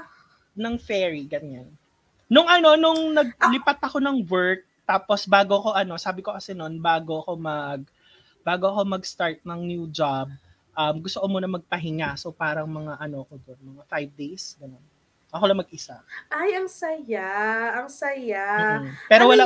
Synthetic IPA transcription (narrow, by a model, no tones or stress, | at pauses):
nɐŋfɛːɹiɡɐɲanː | ʊŋʔɐno̞nʊŋnɐɡ̚lɪpat̪ɐko̞nɐŋwɛɹk̚t̪aːpo̞sbaːɡoɐko̞ʔɐno̞saːbɪko̞kɐsɛno̞nbaːɡo̞ɐko̞mɐɡ̚ | b̥aːɡoɐko̞mɐɡst̪aɹt̪̚nɐŋnjuːd͡ʒab̚ | ʔɐmɡʊst̪oʔomonɐmɐɡ̚pɐɦɪŋaso̞paːɾɐŋmɐŋaʔɐno̞ɐko̞d̪onmɐŋafajvd̪ejsɡɐnon | ʔɐkolɐŋmɐɡ̚ʔɪsaʔajɐŋsɐjaɐŋsɐjampɛːɾowɐla